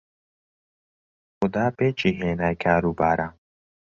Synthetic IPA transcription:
xʊd̪aːpeːt͡ʃiɦeːnajkʰaːɾubaːɾa

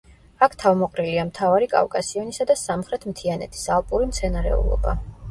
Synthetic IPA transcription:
akʰt̪ʰavmɔqʼɾiliamt̪ʰavaɾikʼa̰vkʼasiɔnisad̪asamχɾɛt̪ʰmt̪ʰianɛ̰t̪ʰi̥salˠpʼuɾimt̪sʰɛnaɾɛ̰ṵlˠɔ̰ba̰

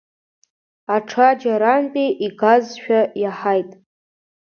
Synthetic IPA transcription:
aʈ͡ʂʰad͡ʒaɾanpʼiʔiɡazʃᶣajaħajtʼ

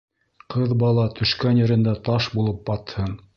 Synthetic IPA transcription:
qɤðbɑlˠɑt̪ʰɵ̆ʃkænjɘ̆ɾɘ̆nd̪æt̪ɑʃbulˠɤp̚bɑt̪hɤn

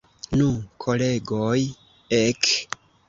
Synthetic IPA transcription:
nũkʰoleɡoj | ek

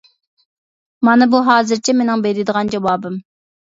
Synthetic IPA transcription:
mɑnɨbuɦɑːzɨɾt͡ʃʰɛmenɪŋbeɾɪd̪əʁɑnd͡ʒɑwɑːbɨm

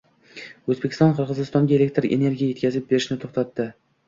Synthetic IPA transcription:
ɵzbekʲʰɪ̥st̪ɒnqʰɨɾʁɨzɪst̪ɒŋɡʲaelek̚ʲt̪ɾḛne̞ɾɡʲijaje̞t̪kʲazɪp̚be̞ɾɪʃnɪt̪ʰoχt̪at̪ːɪ

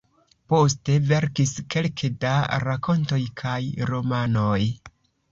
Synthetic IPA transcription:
po̞ste̞ve̞ɾkiske̞lkʰedaɾakʰo̞nto̞jkʰajɾo̞manoj

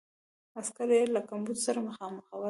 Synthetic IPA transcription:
askaɾjelakambud̪saɾaməxɑməxawə

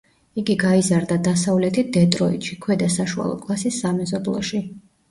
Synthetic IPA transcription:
iɡiɡaizaɾd̪ad̪asavlɛt̪ʰid̪ɛt̪ʼɾɔit̪ʃikʰwɛd̪asaʃua̰lˠɔ̰kʼlˠasisːamɛzɔblˠɔ̰ʃi

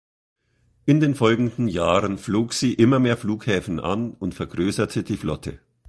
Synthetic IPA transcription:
ʔɪndeːnfɔlɡŋ̩dn̩jaːʁənfloːkz̥iːʔɪmɐmeːɐfluːkhɛːfn̩ʔa̰nʔʊntfɛɐɡʁøːsɐtʰədiːflɔ̰tʰə̰

